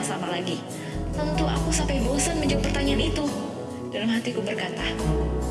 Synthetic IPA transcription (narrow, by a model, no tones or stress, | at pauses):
samalaɡi | t̪ənt̪ua̰kusampajbosanməɲd͡ʒaɡ̚pərt̪aɲaanit̪u | d̥alamɦat̪ikubərkat̪a